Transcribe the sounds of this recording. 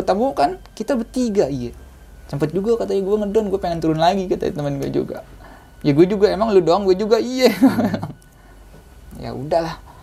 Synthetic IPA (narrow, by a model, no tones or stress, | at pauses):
ət̪abokankit̪abət̪iɡaijɛ | t͡ʃəmpət̪̚d͡ʒuɡakat̪aɲaɡuaŋədɔnɡuapeŋɛnt̪uɾʊnlaɡikat̪a̰ḭt̪əmənɡua̰d͡ʒṵɡa̰ | jaɡuad͡ʒuɡaemaŋludoaŋɡuad͡ʒuɡaijɛɡaeaŋ | ja̰ṵdahlah